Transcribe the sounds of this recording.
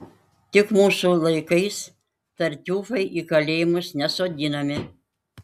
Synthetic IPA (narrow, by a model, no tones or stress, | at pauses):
t̪ʲɪkmuːsulˠɐɪkɐɪs | t̪ɐɾʲt̪ʲuːfɐɪʔikɐlʲeːjɪmʊsnʲɛsoːd̪ʲiːnɐmʲɪ